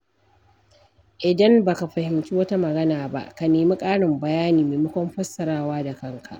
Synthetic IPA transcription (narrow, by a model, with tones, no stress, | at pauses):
ʔɪ˨dɐ˦mbaː˨ka˨ɸɐ˨hɪ˨mt͡ʃʲiː˦wɐ˦ta˦mɐ˨ɡɐ˦naː˨ba̰˦ʔka˨neː˨ma˦kʼaː˦ɽɪ˨mbɐ˨jaː˦niː˨meː˨mɐ˦kʷɔ˦mɸɐ˦sːɐ˨ɽaː˦waː˦da˨kɐ˦ŋkʰa̰˨ʔ